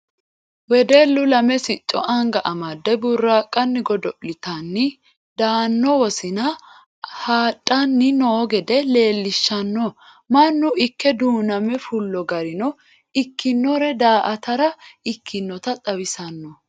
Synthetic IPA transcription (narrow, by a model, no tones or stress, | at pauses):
wɛd̪ɛlːʊlɐmɛsɪt͡ʃʼːɔ̰ʔɐŋɡɐʔɐmɐd̪ːɛbʊrːaːkʼːɐnːɪɡɔd̪ɔʔlɪt̪ɐnːɪ | d̪aːnːɔwɔsɪnɐ | haːtʼːɐnːɪnoːɡɛd̪ɛle̞ːlːɪʃːɐnːɔ | mɐnːʊɪkːɛd̪uːnɐmɛfʊlːɔɡɐɾɪnɔ | ɪkːɪnːɔɾɛd̪aːʔɐt̪ɐɾɐɪkʰːɪnːɔt̪ɐt̪ʼɐwɪsɐnːɔ